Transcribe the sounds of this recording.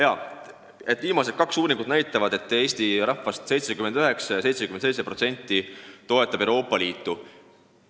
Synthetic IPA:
jɑ | e̞t̪ːˑviːmɑse̞d̪̚kɑksuːnʲiŋɡ̥ud̪̥næjt̪ːˑɑvɑd̪e̞t̪ːˑe̞ːst̪iɾɑhːɑst̪se̞jt̪sekymend̪̥yɦe̞ksɑjɑse̞jt̪sekymnsejt̪se̞pɾro̞t̪se̞nʲt̪ːit̪o̞e̞t̪ːˑɑb̥ewɾo̞ːpːˑɑliːt̪ːˑu

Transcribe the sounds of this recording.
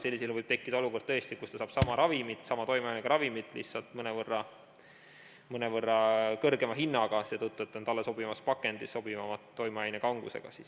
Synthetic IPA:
se̞lʲːisilvɤjb̥̚t̪e̞kˑːid̪̥ɑoluko̞rd̪̚t̪ɤe̞st̪ikust̪ɑsɑːb̥sɑmɑɾɑvimit̪ˑsɑmɑt̪o̞jmɑjɑjneɡ̥ɑɾɑvimit̪ːˑlḭhtsɑlt̪mɤnevɤrːɑ | mɤnevɤrːɑkɤrɡe̞mɑɦinːɑɡ̥ɑseːt̪ut̪ːˑuet̪ːˑo̞nt̪ɑlːeso̞bimɑspɑkːˑe̞nd̪̥iso̞b̥ivɑmɑt̪ːo̞jmɑjæjnekɑŋɡ̥usḛɡ̥ɑ̰siːs

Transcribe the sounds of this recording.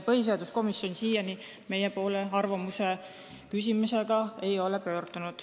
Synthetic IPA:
pɤɦis̬eɑd̪usko̞misjo̞nʲsiːjɑni | me̞jepo̞ːleɑrvɑmuse̞ | kys̬ʲimuse̞ɡ̥ɑe̞jo̞le̞pø̞ːrt̪unud̪̥

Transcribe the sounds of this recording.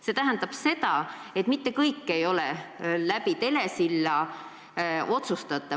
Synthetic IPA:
se̞t̪æɦænd̪ɑb̥se̞d̪ɑ | e̞t̪ˑmit̪ːe̞kɤjkːe̞jo̞lɛlæbit̪e̞le̞silːɑ | o̞t̪sust̪ɑt̪ːˑɑ

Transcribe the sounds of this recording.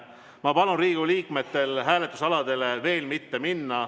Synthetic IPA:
mɑpɑlunriːɡ̥uliːkme̞t̪ːe̞lɦæːle̞t̪ːˑu̥sɑlɑd̪̥e̞leve̞ːlmit̪ːe̞minːɑ

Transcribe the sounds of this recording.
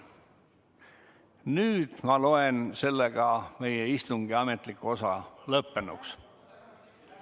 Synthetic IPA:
nyːd̪̥mɑlo̞e̞nse̞lːeɡ̥ɑme̞jeist̪uŋɡ̥iɑme̞t̪ˑlikːuo̞sɑlɤpːe̞nṵks

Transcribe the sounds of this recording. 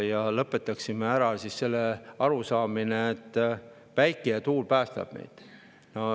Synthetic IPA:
jɑlɤpːˑe̞t̪ːˑɑksimeæɾɑsisse̞lːeɑɾusɑːmineːt̪ːˑ | pæjkːˑejɑt̪uːlpæːst̪ɑ̰b̥nḛjd̪̥ | no

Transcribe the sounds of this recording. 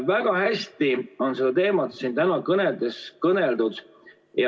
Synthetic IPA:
væɡ̥ɑhæsʲt̪io̞nse̞d̪̥ɑt̪e̞ːmɑt̪siːnt̪ænɑkɤneld̪eskɤne̞ld̪ud̪̥ | jɑ

